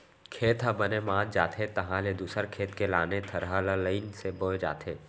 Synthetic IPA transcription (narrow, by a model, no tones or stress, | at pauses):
kʰeːt̪ɦãbənemaːt̪d͡ʒaːt̪ʰet̪ɐɦãːled̪uːsəɾkʰeːt̪kelaːnet̪ʰɐɾɦalaləinseboːd͡ʒa̰ːt̪ʰeː